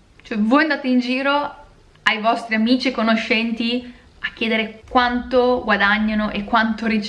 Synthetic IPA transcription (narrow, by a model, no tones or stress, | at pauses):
t͡ʃoɛvojand̪aːt̪eind͡ʒiːɾo | ajvɔst̪ɾiamiːt͡ʃiekonoʃːɛnt̪i | akːjeːd̪eɾekwant̪oɡwad̪aɲːanoʔekːwant̪oɾit͡ʃ